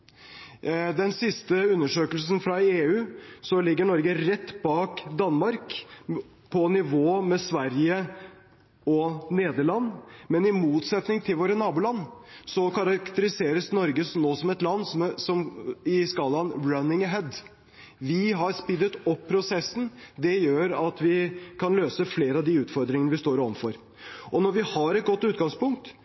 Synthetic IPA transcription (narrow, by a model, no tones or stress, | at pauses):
d̪ɛnsɪst̪əʉnːəʂøːkəlsnfɾɑeːʉːsɔlɪɡːəɳɔɾɡəɾɛt̪ːbɑːkd̪ɑnmɑɾk | pʰɔnɪʋoːmɛsʋæɾjə | ɔneːd̪əɭɑnːmɛnɪmuːt̪sɛt̪nɪŋt̪ʰɪlʋoːɾənɑːbuːlɑnːsɔkɑɾɑkt̪əɾɪseːɾəsnɔɾɡəsnoːsɔmɛt̪lɑnːssɔmɪskɑːlɑnɹɑnɪŋɦɛd̪ | ʋɪɦɑɾspɪd̪ət̪ɔpʰːɾʊsɛsːn̩d̪ɛjøːɾɑt̪ʋɪkʰɑnløːsəfleːɾəɑʋd̪ɪʉːt̪fɔɾd̪ɾɪŋənəʋɪst̪oːɾɔʋ̩̪fɔɾ | ɔnɔɾʋɪhɑɾɛt̪̚ɡɔt̪ːʉːt̪̚ɡɑŋspʊŋk̚t̪